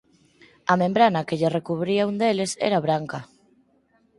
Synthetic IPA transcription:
ɐmẽmbɾanɐkeʎerekuβɾiaund̪elesɛ̰ɾaβɾaŋkɐ

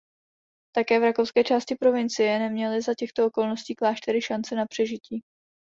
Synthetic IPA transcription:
t̪akɛːvɾakowskɛːt͡ʃaːscɪpɾo̞vɪnt͡sɪjɛnɛmɲɛlɪzacɛxt̪oʔoko̞lnosciːklaːʃt̪ɛɾɪʃant͡sɛnapr̝̥ɛʒɪciː

